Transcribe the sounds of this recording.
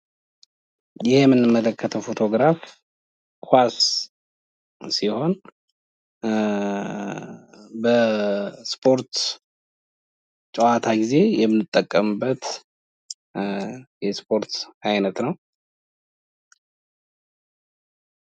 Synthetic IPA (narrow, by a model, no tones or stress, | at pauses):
jɪhjɛmːɨnːɨmːələkʰːət̪ʰəwfo̞t̪ʰo̞ɡɾaf | kʰas | siho̞n | bə | spʰo̞ɾt̪ | t͡ʃʼəwat̪ʰaɡize̞jɛmɨnɨt̪ʼːəkʼːəmbːət̪ | jɛspʰo̞ɾt̪ajnət̪nəw